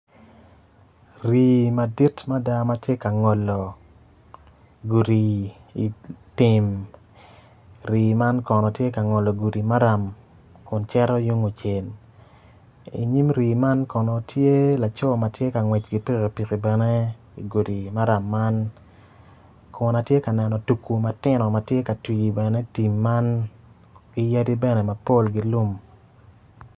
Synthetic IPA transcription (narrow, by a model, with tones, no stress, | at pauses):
ɾi˨ma˨di˦tma˦da˦ma˦tje˦ka˨ŋɔ˨lɔ˨ | ɡu˨ɾi˨ | i˨tɪ˨m | ɾiː˨ma˦nkɔ˨nɔ˨tje˦ka˨ŋɔ˨lɔ˨ɡu˨ɾi˨ma˦ɾa˨m | kʊ˨nt͡ʃɛ˦ɾɔ˦ju˦ŋo˨t͡ʃe˨n | ḭ˨ɲi˦mɾiː˨ma˦nkɔ˨nɔ˨tje˦la˨t͡ʃɔ˦ma˨tje˦ka˨ŋwɛ˨t͡ʃɡi˨pi˦ki˨pi˨ki˨bɛ˨ne˦ | i˨ɡu˨di˨ma˦ɾa˨mːa˦n | kʰʊ˨na˨tje˦ka˨nɛ˨nɔ˨tu˨kːu˨ma˦tɪ˦nɔ˨ma˨tje˦ka˨twi˨ɡi˨bɛ˨nɛ˦ti˨mːa˦n | ɡi˦ja˦di˦bɛ˦nɛ˨ma˨po˦˨lɡi˨lu˦m